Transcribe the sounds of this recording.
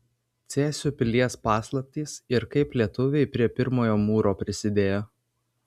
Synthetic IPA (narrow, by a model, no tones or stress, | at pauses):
t̪sʲæːsʲupʲɪlʲiɛspɑːslˠɐp̚ʲt̪ʲiːsɪɾkɐɪplʲiɛt̪ʊʋʲɛɪpʲɾʲiɛpʲɪɾmoːjoːmuːɾoːpʲɾʲɪsʲɪd̪ʲeːjoː